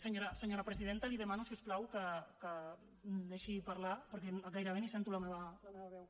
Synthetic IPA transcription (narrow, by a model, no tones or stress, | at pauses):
səɲoɾəsəɲoɾapɾəziðent̪əliðəmanusiusplawkəkə | md̪eʃipaɾlapəɾkɛnɣajɾəβenisɛnt̪uləmeβəlmeβɐβɛw